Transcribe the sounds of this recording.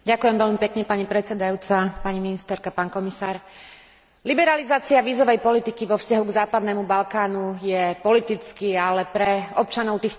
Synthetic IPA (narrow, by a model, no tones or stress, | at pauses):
ɟakujɛmʋɛlmipɛkɲɛpaɲipɾɛt͡sɛd̪ajuːt͡sapaɲiminist̪ɛɾkapaːnkɔmisaːɾ | libɛɾalizaːt͡siaʋiːzɔʋɛjpɔlit̪ikiʋɔfscaɦuɡzaːpad̪nɛːmubalkaːnujɛpɔlit̪it͡skialɛpɾɛɔp̚t͡ʃanɔʊt̪iːx